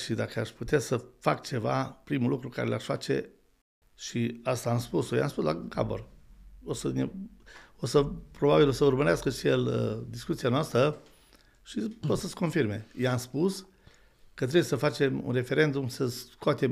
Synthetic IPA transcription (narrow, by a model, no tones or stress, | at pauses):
ʃid̪akəaʃput̪easəfakt͡ʃe̞va̰pɾimulukɾuka̰ɾe̞laʃfat͡ʃe̞̰ | ʃiast̪aːmspusojḛamspusla̰ka̰bo̰ro̞səne | o̞səpɾo̞babilosəurməɾeaskəʃijeləd̪iskut̪sianoast̪ɾə | ʃiposəsko̞nfirme̞̰jeamspus | kət̪ɾebjesəfat͡ʃe̞mṵnre̞fe̞ɾe̞nd̪umsəskoat̪e̞m